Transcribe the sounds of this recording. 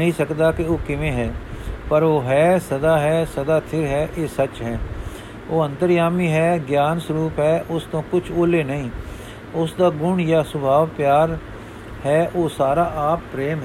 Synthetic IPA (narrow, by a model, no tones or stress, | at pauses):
əĩːsəkd̪aːkɪoːkɪʋẽːɦɛːpəɾoːɦɛːsəd̪aːɦɛːsəd̪aːt̪ʰɪɾɦɛːʔeːsət͡ʃɦɛː | oːə̃nt̪əɾjaːmiːɦɛːɡjaːnsʊɾuːpɦɛːʔʊst̪õːkʊt͡ʃʰoːleːnəĩː | ʊsd̪aːɡʊɳjaːsʊbʱaːʋpjaːɾ | hɛːʔoːsaːɾaːʔaːpːɾeːmɦ